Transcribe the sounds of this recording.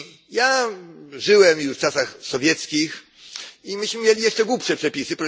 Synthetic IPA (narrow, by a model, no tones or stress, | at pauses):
ja | ʐɘwɛmjuʂft͡ʂasaxsɔvʲjɛt̪skʲix | imɘɕmɘmʲjelʲijɛʂt͡ʂɛɡwupʂɛpʂɛpʲisɘpɾɔ